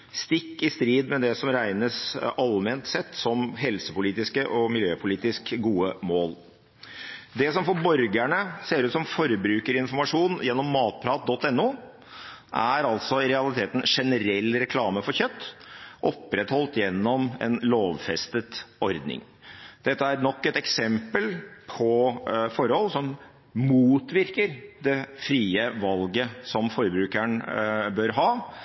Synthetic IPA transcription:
st̪ɪkːɪst̪ɾiːd̪mɛd̪ɛsɔmɾæɪnəsɑlmeːnt̪sɛt̪ːsɔmɦɛlsəpʊliːt̪ɪskəʔɔmɪljøːpʰʊliːt̪ɪskɡuːəmoːl | d̪ɛsɔmfɔɾbɔɾɡæɳəseːɾʉːt̪sɔmfɔɾbɾʉːkəɾɪnfɔɾmɑʂuːnjɛnːɔmːɑːt̪̚pʰɾɑːt̪̚d̪ɔt̪ːɛnːuː | ʔæɾɑlt̪sɔɾɛɑlɪt̪ʰeːt̪n̩ʂɛnəɾɛlːɾɛkʰlɑːməfɔɾçœt̪ːʔɔpːɾɛt̪hɔlt̪jɛnːɔmɛ̰nloːʋfɛst̪ət̪ɔɾd̪nɪ̰ŋ | d̪̥ɛt̪ːəæɾnɔkːɛt̪ɛksɛmpəlpʰɔfɔɾhɔlsɔm | muːt̪ʋɪɾkəɾd̪ɛfɾiːəʋɑlɡəsɔmfɔɾbɾʉːkæɳbœɾɦɑː

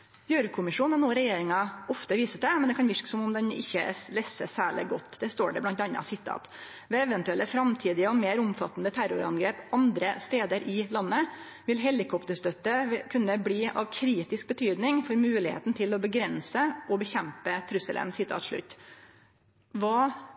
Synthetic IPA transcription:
jøːɾkʰʊmɪʂuːnɑnuːɾɛjeːɾɪŋɑɔft̪əʋiːsəd̪ɛmɛnd̪ɛkɑnʋɪʂkə̥sɔmʊmd̪ɛnɪ̰çːəlɛsəsæːɭɪ̰ɡɔt̪ːd̪ɛst̪o̰ːɖɛblɑnt̪ɑnːɑ̰sɪt̪ʰːɑ̰ːt̪ | ʋɛːɛʋɛnt̪ʉɛlʔəfɾɑmt̪ʰiːd̪ɪəɔmeːɾʊmfɑt̪ːn̩ət̪ʰæɾʊɾɑ̰nɡɾeːpɑnd̪ɾəst̪eːd̪əɾʔɪlɑnːə | ʋɪlɦɛlɪkʰɔpt̪əʂt̪œt̪ːəkʰʉnːəbliːʔɑ̰ʋkʰɾiːt̪ɪsk̚bət̪ʰyːd̪nɪŋfɔɾmʉːlɪhḛːt̪n̩t̪ʰɪlɔbəɡɾɛnsəʔɔbəçɛmpət̪ʰɾʉsəlʔə̰nsɪt̪ʰɑ̰ːt̪ʂɭʉ̰t̪ː | ʋɑː

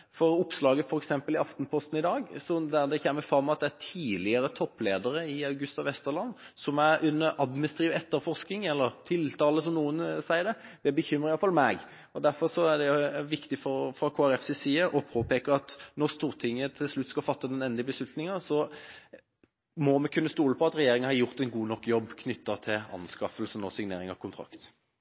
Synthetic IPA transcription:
fɔɾʊpslɑːɡəfɔɾɛksɛmpəlɪɑft̪npʰɔst̪n̩ɪd̪ɑːɡsɔd̪æd̪ɛçɛmːəɾfɾɑmːɑt̪̚d̪ɛæt̪ʰiːlɪəɾət̪ʰɔpːleːd̪əɾəɪɑʉɡʉst̪ɑʋɛst̪əʁlɑnː | sɔmæɾʉnːəɾʔɑd̪mɪnst̪ɾiːʋɛt̪ːəɾfɔʁsknɪŋɛlːəɾt̪ʰɪlt̪ʰɑːləsɔmnuːənsæɪəɾd̪ɛd̪̥ɛbəçʏmːɾəɾɪjɑlfɑlmɛɡ | ɔd̪æɾfɔʁsɔæd̪ɛʋɪkt̪ɪfɔʁfɾɑkʰoːæɾɛfsɪsiːəʔɔpʰoːpʰeːkəɾɑt̪nɔʁst̪uːʁt̪ʰɪŋːət̪ʰɪlslʉt̪ːskɑlfɑt̪ːəd̪ɛnɛnd̪ɪəbəslʉt̪nɪŋɑsɔ | mɔmɛkʰʉnːəst̪uːləpʰɔɑt̪ɾɛjeːɾɪŋənhɑjʊʁt̪ɛnɡuːnɔkːjɔbːkʰnʏt̪ːɑt̪ʰɪlɑ̰nskɑfəlsənɔsɪŋnḛːɾɪŋɑ̰ʋkʰʊnt̪ʰɾɑ̰kt̪

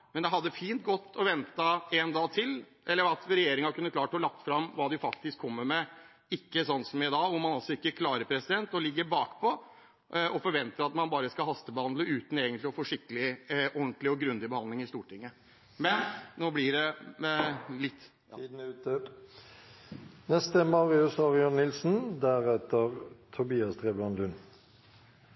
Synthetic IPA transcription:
mɛnd̪ɛɦɑd̪ːəfiːnt̪̚ɡɔt̪ʰːɔʋɛnt̪əɛnd̪ɑːt̪ʰɪl | ʔɛlːəɾɑt̪ɾɛjeːɾɪŋɑkʰʉnːəkʰlɑːʈhɔlɑk̚t̪fɾɑmːʋɑːd̪ɪfɑk̚t̪ɪskʰːɔmːəɾmɛ | ɪkːəsɔnt̪sɔmjæɪd̪ɑːʊmːɑnɑlsɔɪkːəkʰlɑːɾəɾpʰɾɛsɪd̪ɛnt̪ɔlɪɡːəbɑːkpʰɔ | ʔʔɔfɔɾʋɛnt̪əɾɑt̪mɑnbɑːɾəskɑɦɑst̪əbəhɑnd̪ləʉːt̪n̩eːɡənt̪lɪɔfɔʂɪkːəlɪʔɔnt̪lɪɔɡɾʉnd̪ɪbəhɑnd̪lɪŋɪst̪uːʈɪŋːə | mɛnnoːblɪɖɛ | lɪt̪ː | d̪ː | nɛst̪əmɑːʁɪʉshɑʁjɔnːɪlsn̩d̪æʁɛt̪əʁt̪ʰʊbiːɑsd̪ʁeːblɑnlʉn

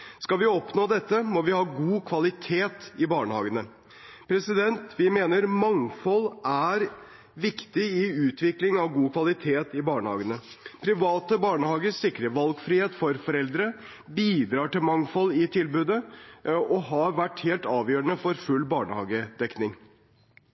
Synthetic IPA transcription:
skɑʋɪɔpnoːd̪ɛt̪ːəmɔʋɪhɑːɡuːkʰʋɑlɪt̪ʰeːt̪ɪbɑːɳəhɑːɡənə | pʰɾɛsɪd̪ɛnt̪ʋɪmeːnəɾmɑŋfɔlæɾ | ʋɪkt̪ɪɪʉːt̪ʰʋɪklɪŋɑʋɡuːkʰʋɑlɪt̪ʰeːt̪ɪbɑːɳəhɑ̰ːɡənəpʰɾɪʋɑːt̪əbɑːɳəhɑːɡəssɪkɾəʋɑlɡfɾiːheːt̪fɔɾfɔɾɛld̪ɾə | biːd̪ɾɑːʈɪlmɑŋfɔlːɪt̪ʰɪlbʉːd̪ə | ɔɦɑʋæʈːheːlt̪ɑːʋjøːɾəɳəfɔɾfʉlːbɑːɳəhɑ̰ːɡəd̪ɛknɪŋ

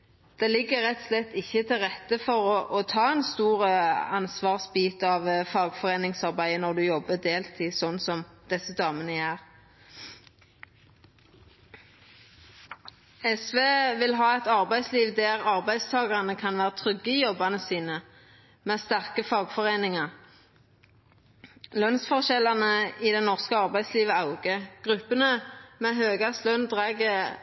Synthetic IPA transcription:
d̪̥ɛːlɪɡːəʁɛt̪slɛt̪ːɪçːət̪ʰɪlʁɛt̪ːəfɔʁɔʔɔt̪ʰɑːɛnst̪uːʁəɑnsʋɑːʁsbiːt̪ɑʋfɑːɡfɔʁeːnɪŋsɑʁbæɪənɔʁd̪ʉjɔbːəd̪eːlt̪ʰiːsɔnsɔmd̪̥ɛsəd̪ɑːmənəjæːʁ | ɛsʋeːʋɪlɦɑːɛt̪ɑʁbæɪsliːʋd̪æːʁɑʁbæɪst̪ʰɑːɡɑʁɑnəkʰɑnʋæːʁət̪ʰʁʏɡəɪjɔbɑnəsiːnə | meːst̪æʁkəfɑːɡfɔʁeːnɪŋɑʁ | lœnsfɔʁʃɛlɑnəid̪ɛnɔʁskəɑʁbæɪsliːʋəɑʊɡəɡ̥ʁʉpːənəmeːɦøːɡɑslœnd̪ʁæɡə

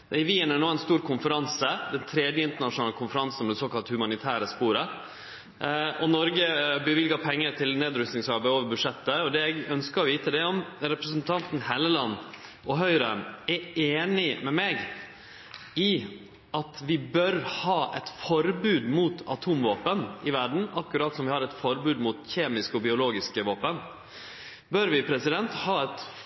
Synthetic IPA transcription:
ɪʋiːənænoːɛnst̪uːɾkʰʊnfəɾɑnsəd̪ɛnt̪ʰɾɛːd̪jəɪnt̪əɳɑʂʊnɑːləkʰʊnfəɾɑnsn̩d̪ɛsoːkɑlt̪hʉmɑnɪt̪ʰæːɾəspuːɾə | ɔnɔɾɡəbəʋɪlɡɑpʰɛŋːət̪ʰɪlneːd̪ɾʉst̪nɪŋsɑɾbæɪoːʋəɾbʉdʂɛt̪ːəɔd̪ɛɛɡœnskəɾɔʋiːt̪əd̪ɛɔmɾɛpɾəsnt̪ʰɑnt̪n̩hɛləlɑnːʔɔɦœʏɾəmɛeːnɪmɛmeːɡ | ɪ | ɑt̪ʋɪbœɾhɑːʔɛt̪fɔɾbʉːd̪mut̪ʰɑ̰t̪ʰuːmʋoːpənɪʋæɖɳ̩ɑkːʉɾɑːt̪sɔmʋɪhɑɾɛt̪fɔɾbʉːd̪mʊt̪çeːmɪskɔbɪʊloːɡɪskəʋoːpən | bœɾʋɪpʰɾɛsɪd̪ɛnt̪hɑːɛt̪

